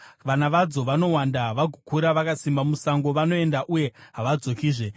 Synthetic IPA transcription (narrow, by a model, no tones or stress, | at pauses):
ʋanaʋad͡zoʋano̞wandaʋaɡʱukuɾaʋakasimbamusaŋɡo̞ʋano̞e̞ndaʔuje̞ɦaʋad͡zo̞kiːʐe̞